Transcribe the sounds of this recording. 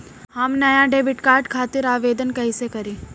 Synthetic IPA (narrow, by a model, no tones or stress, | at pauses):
hɐmnɐjaɖeːbɪʈkaːɾɖkʰaːt̪ɪɾaːʋeːd̪ənkɐɦisekɐɾĩː